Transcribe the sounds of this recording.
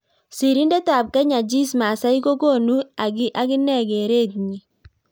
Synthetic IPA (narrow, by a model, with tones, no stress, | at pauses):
si˨ɾi˦nde˦ta˨p̚kɛ˦ɲa˨d͡ʒi˦sma˨sa˦i˦ko˦ɡo˦˨nu˦a˨ɡɪ˦ʔa˦kɪ˦nɛ˦˨ɡe˨ɾe˦t̪̚ɲi˨